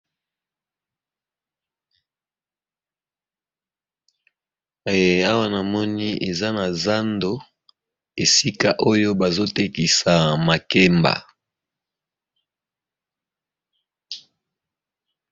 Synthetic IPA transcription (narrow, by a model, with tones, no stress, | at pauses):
a˦wa˦na˨mɔ˦ni˦ʔe˨za˦na˨za˦ndo˦ | e˨si˦ka˦ʔo˦jo˦ba˨zo˦te˦ki˨sa˨ma˨kɛ˦mba̰˨